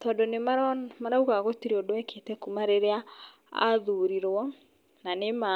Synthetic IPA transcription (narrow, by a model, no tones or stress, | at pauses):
tɔdɔnemaɾmaɾauɣaɣotiɾeodoɛkʰetɛkumaɾeɾea | a̰ðuɾiɾwɔ | nanema